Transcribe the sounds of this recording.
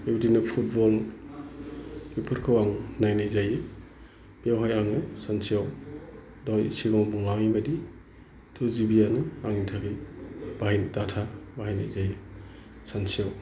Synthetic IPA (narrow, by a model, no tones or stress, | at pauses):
ebdinɯpʰut̚bɔl | ɡipʰuɾkʰɯwaŋnajnajzajɯ | b̥ijawɦajaŋɯsansijaw | dɔjsiɡɔŋbuŋaŋibadi | tʰuzibijanɯaŋintʰakɯjb̥ahajndatʰabaɦajna̰jzajɯ | sansiaw